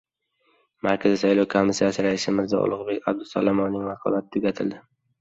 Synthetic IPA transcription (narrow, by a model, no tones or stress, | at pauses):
maɾkʰʲazɪsajlˠɒwkʰomːisːijasɪɾaɪsɪmɪɾzɒ̰ʔʊ̰lˠʊʁbe̞kʲʰa̰b̚d̪ʊsalamɒnːɪŋmɑqʰɒ̰lat̪ʰɪ̥t̪ʰʊɡʲat̪ʰɪld̪ɪ